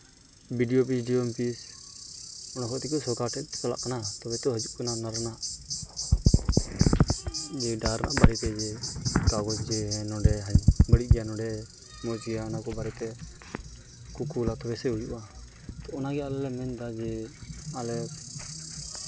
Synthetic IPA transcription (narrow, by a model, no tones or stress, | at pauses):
biɖijopisɖiɔmpis | ɔnakɔt̪ɛkɔsɔkaɾʈɛt̪kala̰ʔkanat̪ɔbɛt̪ɔɦəd͡ʒuʔkananaɾnaʔ | d͡ʒɛɖaɾna̰ʔbaɽit̪ɛd͡ʒɛkaɡɔd͡ʒd͡ʒɛnɔɖɛɦaɲbəɽit̚ɡɛjanɔɖɛ | mɔt͡ʃɛjaɔnakɔbaɾɛt̪ɛ | kukulat̪ɔbɛsɛujuʔa | t̪ɔɔnaɡɛalɛlɛmɛnt̪ad͡ʒɛalɛ